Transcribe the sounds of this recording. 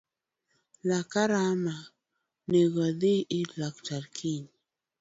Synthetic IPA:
lakaɾama | neɣaðiʔilakt͡ʃaɾkʰiɲ

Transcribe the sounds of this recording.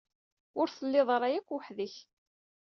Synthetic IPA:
ʊɾθəlːɪðˤɾˤajækʷːəħðəç

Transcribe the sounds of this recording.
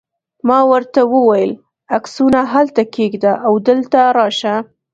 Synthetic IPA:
mɑwəɾt̪awəwajəl | aksunaɦalt̪akeɡd̪aʔawd̪əlt̪aɾɑʃa

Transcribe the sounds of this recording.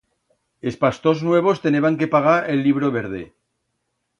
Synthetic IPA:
e̞spast̪o̞znwe̞β̞o̞st̪e̞neβaŋke̞paɣ̞aɾelːiβ̞ɾoβeɾð̞ḛ

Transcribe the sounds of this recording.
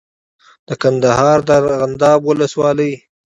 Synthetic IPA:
d̪̥əkand̪aɦɑɾd̪əɣand̪ɑbwʊləswɑləj

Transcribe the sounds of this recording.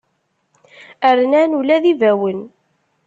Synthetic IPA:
əɾnænulæðivæwən

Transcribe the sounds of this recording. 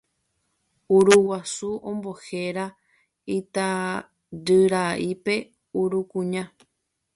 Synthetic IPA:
uɾuwasuʔõmbo̞he̞ɾa | it̪a | d͡ʒɨɾaʔipe̞ | uɾukũɲã

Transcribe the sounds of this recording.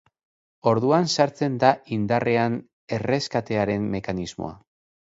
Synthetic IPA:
o̞ɾðuansaɾt͡se̞nd̪aind̪are̞an | e̞re̞skat̪e̞aɾe̞mːe̞kanizmo̰a̰

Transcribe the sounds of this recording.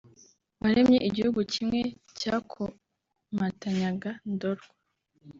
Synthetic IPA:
waɾemɲeʔiɟihuɡucimŋe̞ | cakʰo | mataɲaɡandoɾɡa

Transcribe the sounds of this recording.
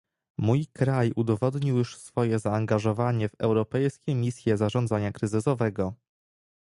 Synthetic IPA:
mujkɾajud̪ɔvɔd̪ɲiwjuʂsfɔjɛzaːŋɡaʐɔvaɲɛvɛwɾɔpɛjskʲɛmʲisʲjɛzaʐɔnd̪zaɲakɾɘzɘsɔvɛɡɔ

